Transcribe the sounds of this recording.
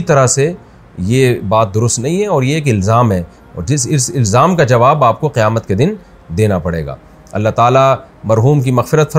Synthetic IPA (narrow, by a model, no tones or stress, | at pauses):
it̪ɐɾase | jebaːt̪̚d̪ʊɾʊst̪nɐɦĩɦɛ̃ɔːɾjeeːk̬ɪlzaːmɦɛː | ɔ̰ːɾd͡ʒɪsɪsɪlzaːmkad͡ʒɐʋaːbaːp̚koqɪjaːmət̪ked̪ɪn | d̪eːnapɐɽḛːɡa̰ː | ɐ̰lːaɦt̪aːla | mɐɾɦuːmk̬imɐxfɪɾət̪fɐ